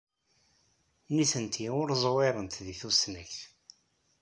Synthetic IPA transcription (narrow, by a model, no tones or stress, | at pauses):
niθənt̪ʰiʊɾzˤwɪɾˤənt̪ðiθusnəç